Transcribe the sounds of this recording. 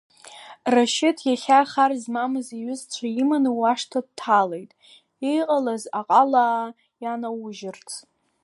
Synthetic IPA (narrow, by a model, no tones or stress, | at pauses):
raʃɪtʰjaχʲaχarzmamɨziɥʏzt͡ɕʷʰaimanuwaʂtʰad̚tʰːalejtʼ | ijqʼalazaqʼalaː | janawʊʒɪrt͡sʰ